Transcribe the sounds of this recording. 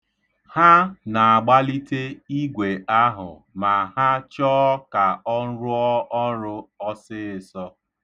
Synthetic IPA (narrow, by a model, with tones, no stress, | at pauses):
ha˦na˨a˨ɡ͡ba˦li˦te˦i˦ɡʷe˨a˦ɦʊ̰˨ | ma˨ɦa˦t͡ʃɔ˦ka˨ɔ˦n̩˦ɾʊ˦ɔ˦ʔɔ˦ɾʊ˦ɔ˦sɪ˦ɪ˨sɔ˦